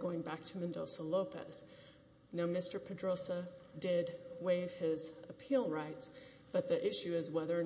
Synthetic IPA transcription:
ɡoʊɪ̃ŋbæk̚tʰɨmɨ̃ndoʊsəloʊpɛ̰s | naʊmɪstə˞pʰɨdɹoʊsədɪd̚weɪv̥ɪzɨpʰilˠɹaɪts | b̥ʌt̪̚ðiʔɪʃʉɪzwɛðə˞

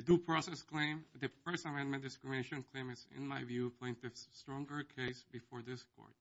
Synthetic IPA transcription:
ɨdupʰɹɔsɛskl̥ẽɪ̃md̪ɨfɜ˞stəmɛ̃nmɨ̃nd̥ɨskɹɪmɪ̃neʃɨ̃nkʰl̥ẽɪ̃mɨ̃tsɪ̰̃nmaɪvjupʰl̥ẽnt̪ɪvstɹɔ̃ŋɡə˞kʰeɪsbɨfɔɹðɪskʰɔ̰ɹd̥̚

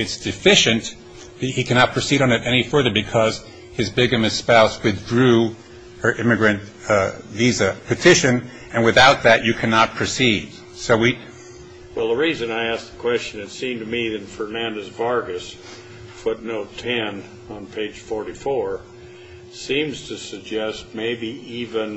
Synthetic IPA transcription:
ɨtsd̥ɨfɪʃɨ̃n | ɨhikʰænɑt̚pʰɹ̥ɨsiɾn̩ɨɾʔɛñifɜ˞ðə˞bɨkʰʌz̥ | ɨzbɪɡɨ̃mɨspaʊswɨθdɹʉ | ə˞ʔɪ̃mɨɡɹɨ̃nt | vizɨpʰɨtʰɪʃɨ̃n | ɨ̃nwɨθaʊt̪̚ðɨt͡ʃɨkʰænət̚pʰɹ̥ɨsid̥̚ | soʊwit̚ | wɛlˠðəɹizɨ̃naɪæs̚ðəkʰw̥ɛst͡ʃɨ̃nɨtsĩmtɨmiɨ̃nfə˞næ̃ndɨzvɑɹɡɨs | fʊtⁿnoʊtʰɛ̃n | ə̃npʰeɪd̥ʒ̥fɔɹɾifɔɹ | sĩmz̥tʰɨsɨɡ̚d͡ʒɛst̚meɪbiivɨ̃n

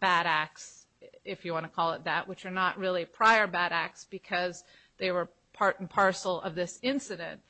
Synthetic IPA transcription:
b̥æɾæk̚s | ɪfjɨwɑ̃ñəkʰɔlˠət̪̚ðɨʔwɨt͡ʃə˞nəʔɹɪlˠipʰɹ̥aɪə˞bæɾæk̚sb̥ɨkʰʌz | ðeɪwə˞ | pʰɑɹɾn̩pʰɑɹsl̩ˠʌ̰vðɪsɪ̃nsɨɾɨ̰̃nt̚

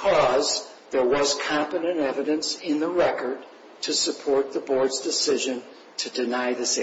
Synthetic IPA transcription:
kʰɔz | ðə˞wʌz̥kʰɑ̃mpɨɾɨ̃nɛvɨɾɨ̃nsɪ̃nðəɹɛkə˞d̚ | tʰɨsɨpʰɔɹt̪̚ðəbɔɹdzdɨsɪʒɨ̃n | tʰɨdɨnaɪðɨse

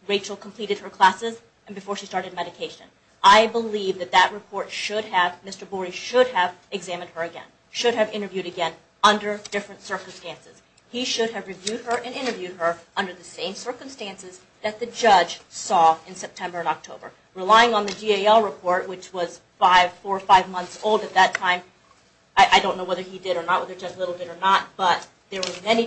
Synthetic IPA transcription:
ɹeɪt͡ʃl̩ˠkʰm̩pʰl̥iɾɨd̚ə˞kʰl̥æsɪz | ɨ̃n̩bɨfɔɹʃistɑɹɾɨd̚mɛɾɨkʰeɪʃɨ̰̃n | ʔaɪbəlivðɨt̪̚ðɨʔ̚ɹɨpʰɔɹtʃʊɾ̚ɨvmɪstə˞bɔɹiʃʊɾɨvɨɡzæmɨ̃nd̚ə˞ɨɡɛ̰̃n | ʃʊɾ̚ɨvɪ̃ɾ̃ə˞vjʉɾɨɡɛ̃n | ʌ̃ndə˞d̥ɪfɹɨ̃ntsɜ˞km̩stæ̃nsɨz̥ | iʃʊɾɨvɹɨvjʉd̚ə˞ʔɨ̃nɪ̃ɾ̃ə˞vjʉd̚ə˞ʔʌ̃ndə˞ðɨsẽɪ̃msɜ˞kə̃m̩stæ̃nsɨz | ðɨt̪̚ðɨd͡ʒʌd͡ʒ̥sɔɨ̃nsɛp̚tʰɛ̃mbə˞ɨ̃nɑk̚tʰoʊbə̰˞ | ɹɨlaɪɪ̃ŋə̃nðɨd͡ʒieɪɛlˠɹɨpʰɔɹt̚wɨt͡ʃwʌz̥ | faɪv̥fɔɹfaɪvmʌ̃nθsoʊlˠdɨt̪̚ðɨtʰãɪ̃m | ʔaɪʔaɪdõʊ̃nːoʊwɛðə˞idɨɾə˞nət̚wɛðə˞d͡ʒʌzlɪɾl̩ˠdɨɾə˞nət̚b̥ʌt̪̚ | ðə˞wə˞mɛni

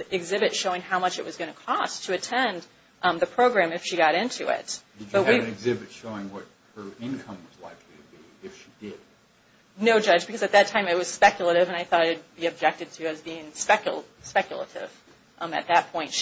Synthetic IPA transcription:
ɨɡzɪbɨtʃoʊɪ̃ŋhaʊmʌt͡ʃɨt̚ʔwʌzɡʌñɨkʰɔstʰɨɨtʰɛ̃n | ʔðɨpʰɹ̥oʊɡɹæ̃mɨfʃiɡɑɾɪ̃ntʰʉ̰ɪ̰t̚d̥ɨd͡ʒb̥ʌt̚wiɨ̃nɨɡzɪbɨtʃoʊɪ̃ŋwʌt̚hə˞ɪ̃nkʰʌ̃mwʌzla̰ɪkʰliɾɨbi | ɪfʃidɪd̥̚ | noʊd͡ʒʌd͡ʒbɨkʰʌzɨt̪̚ðɨtʰãɪ̃mɨt̚wʌz̥spɛkjl̩ˠəɾɪvɨ̃ñaɪθɔɾɪɨd̚biɨb̚d͡ʒɛk̚tɨd̚tʰɨɨzbiɪ̃ŋspɛkjl̩ˠ | spɛkʰjl̩ˠə̰ɾɪ̰v̥ | ʔɨ̰t̪̚ðɨt̚pʰɔ̃ɪ̃nt

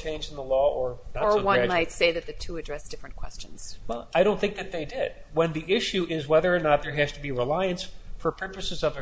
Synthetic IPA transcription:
t͡ʃʰẽɪ̃nd͡ʒn̩ðəlɔə˞nəə˞wʌ̃nmaɪtseɪðɨt̪̚ðɨtʰuɨdɹɛsd̥ɪfɹɨ̃nkʰw̥ɛ̰st͡ʃɨ̃n̩z̥wɛlˠaɪɾõʊ̃nθɪ̃ŋk̚ðɨt̪̚ðeɪdɪd̚wə̃nðiʔɪʃʉʔɪzwɛðə˞ənət̪̚ðə˞ɦæz̥tɨbiɹəlaɪɨ̃nsfə˞pʰɜ˞pɨsɨzʌvɨ

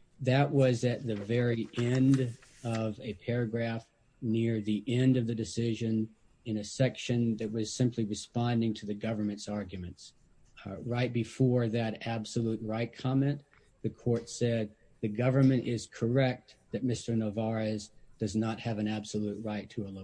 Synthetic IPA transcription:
ðɨʔ̚wʌzɨt̪̚ðɨvɛɹiʔɛ̃nd | ʌvɨpʰɛɹɨɡɹæf | nɪɹðiʔɛ̃ndʌvðɨdɨsɪʒɨ̃n | ɨ̃nɨsɛkʃɨ̃nðɨt̚wʌz̥sɪ̃mpʰliɹɨspɑ̃ndɪ̃ŋtʰɨðɨɡʌvə˞mɨ̃ntsɑɹɡjɨmɨ̃nts | ɹaɪt̚b̥ɨfɔɹðɨɾæb̥səlut̚ɹaɪt̚kʰɑmɛ̃n | ðɨkʰɔɹtsɛd̪̚ | ðɨɡʌvə˞mɨ̃ɾ̃tɪz̥kʰə˞ɛk̚t̪̚ðɨt̚mɪstə˞nəvɑɹɨzd̥ʌznət̚hɨvɨ̃næb̥səlut̚ɹaɪtʰəəlo

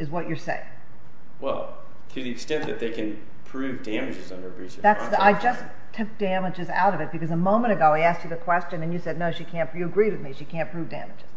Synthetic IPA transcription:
ɨzwʌt͡ʃə˞seɪɪ̰̃ŋ | wɛ̰lˠ | tʰɨðiɨkstɛ̃nðɨ̰t̪̚ðeɪkɨ̃n | pʰɹ̥ʉvdæmɨd͡ʒɨzʌ̃ndə˞bɹisɨðætsðaɪd͡ʒʌs | tʰʊk̚d̥æmɨd͡ʒɨza̰ʊɾʌvɨt̚b̥ɨkʌzəmõʊ̃mə̃ɾ̃ɨɡoʊaɪæst͡ʃɨðɨkʰw̥ɛst͡ʃɨ̃nɨ̃njɨsɛdⁿnoʊʃikʰæ̃npjɨːɡɹid̚wɨðmiʃikʰæ̃npʰɹ̥ʉvdæ̰̃mɨd͡ʒɨz̥

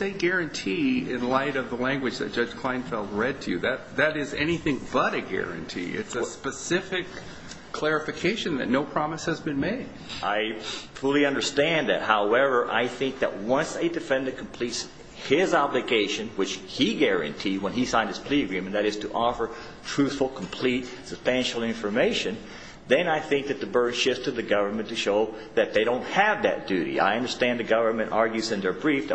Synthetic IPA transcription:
eɪɡɛɹɨ̃ntʰiɪ̰̃nlaɪɾʌvðəlæ̃ŋɡwɨd͡ʒðɨ̰t̚d̥ʒ̥ʌ̥d͡ʒ̥ʒ̥kʰl̥ãɪ̃nfɛlˠt̚ɹɛd̚tʰɨjɨðɨt̪̚ðɨɾɪzɛñiθɪ̃ŋbʌɾɨɡɛ̰ɹɨ̰̃ntʰḭɪ̰tsɨspɨsɪfɪkʰ | l̥ɛɹɨfɨkʰeɪʃɨ̃nðɨ̰tⁿnoʊpʰɹ̥ɑməshɨzbɨ̃nmeɪd̥ʔaɪfʊlˠiʌ̃ndə˞stæ̃nðɨ̰t̚haʊɛvə˞ʔa̰ɪθɪ̃ŋk̚ðɨ̰t̚wʌ̃nseɪdɨfɛ̃nðɨkʰm̩pʰl̥its | hɪzɑblɨɡeɪʃɨ̃nwɨt͡ʃhiɡɛɹɨ̰̃ntʰiwə̃nisãɪ̃nd̚ɨz̥pʰl̥iɡɹɨ̃m̃nðɨɾɨz̥tʰəʔɔfə˞ | tʰɹ̥ʉθfl̩ˠkʰm̩pʰl̥it̚səb̥stæ̃nʃl̩ˠɪ̃ɱfə˞meɪʃɨ̃n | ðɨ̃naɪθɪ̃ŋk̚ðɨt̪̚ðɨbɜ˞d̥ʃɪfstʰɨðɨɡʌvə˞mɨ̃ntʰɨʃoʊ | ðɨt̪̚ðeɪɾõʊ̃nt̚hɨvðɨ̰t̚d̥ʉɾḭa̰ɪʌ̃ndə˞stæ̃nðɨɡʌvə˞mɨ̃nʔɑɹɡjʉzɨ̃nðə˞bɹifð

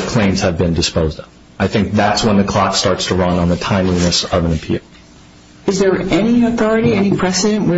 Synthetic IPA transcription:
kʰl̥ẽɪ̃mz̥ɨvbɨ̃ndɨspoʊzd | aɪθɪ̃ŋk̚ðætswə̃nðɨkʰl̥ɑkstɑɹtstʰəɹʌ̃nə̃nðətʰãɪ̃mlinɨsʌvə̃nɨpʰḭ | ɨzðə˞ɛniɨθɔɹɨɾiɛnipʰɹ̥ɛsɨɾɨ̃nʔwə

